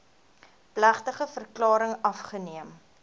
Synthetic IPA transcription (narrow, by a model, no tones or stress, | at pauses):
plæχtəχəfərklɑːɾəŋɐfχəniəm